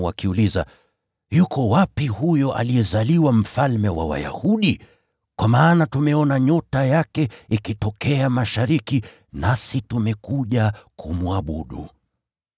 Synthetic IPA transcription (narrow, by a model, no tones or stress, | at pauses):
wakiuliza̰ | jukɔwapihujɔʔa̰lijɛzaliwam̩falmɛwa̰wa̰ja̰huɗi | kwʔamaːnatumɛɔnaɲɔtajakɛikitɔkɛamaʃaɾiki | nasitumɛkuʄakumuaɓuɗṵ